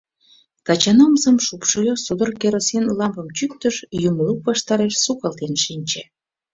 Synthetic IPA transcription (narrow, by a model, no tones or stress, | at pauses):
t̪ɑt͡ɕɑnomzəmʃupʃolʲosod̪orkeɾosenlɑmpə̆mt͡ɕyk̚t̪əʃjumoukβɑʃt̪ɑɾeʃsukɑlt̪enʃinʲt͡ɕe